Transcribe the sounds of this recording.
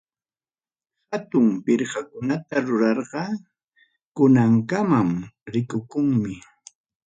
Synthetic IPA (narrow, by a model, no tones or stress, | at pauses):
hat̪ʊmpɪɾhakʊnat̪aɾʊɾɑɾɢɑ | kʊnaŋkamamɾɪkʊkʊŋmɪ